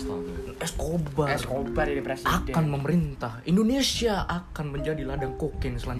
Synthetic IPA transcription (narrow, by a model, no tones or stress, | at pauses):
skobarbpɛsakanməməɾint̪ahindonesiaʔakanməɲd͡ʒadiladaŋkokɛnsəla